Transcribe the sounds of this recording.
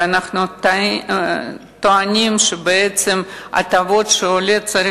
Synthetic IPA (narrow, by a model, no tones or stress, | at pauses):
anaχnut̪ | t̪oanʲimʃebeet̪sema̰t̪avo̞d̪ʃeolʲet͡saɾʲi